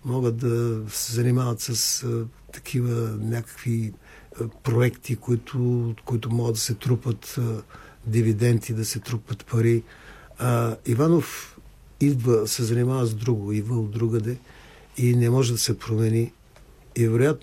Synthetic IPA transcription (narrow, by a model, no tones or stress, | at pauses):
mɔɡət̪̚d̪ɐsɛzɐnimavɐt̪sɐs | t̪ɐ̥kʰivənʲakə̥kvi | pɾoɛkt̪ʰikoit̪ʰʊkoit̪ʊmɔɡəd̪ɐsɛt̪ɾupət̪ | d̪ivid̪ɛnt̪id̪ɐsɛt̪ɾupət̪pɐɾi | ivanof | id̪vəsɛzɐnimavəzd̪ɾuɡʊid̪vəd̪ɾuɡəd̪ɛ | inɛmɔʒɛd̪ɐsɛpɾomɛniː | vɛɾojat̪no